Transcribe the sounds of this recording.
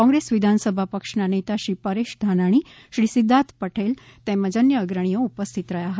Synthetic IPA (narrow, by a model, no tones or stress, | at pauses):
kɔ̃ŋɡɾesʋid̪ʱansəbʱapəkʂnanet̪aʃipəɾeʃd̪ʱanaɽ̃i | ʃɾisid̪ʱːat̪pəʈʰel | t̪eməd͡ʑənjəːɡɾəɳ̃ijoupəst̪ʰit̪ɾəjaɦə